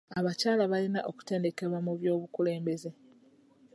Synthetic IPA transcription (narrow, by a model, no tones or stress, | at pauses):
aβacaːlaβalina̰ʔo̞ku̥te̞ːnde̞ke̞βwamuβjo̞ːβukule̞ːmbe̞ze̞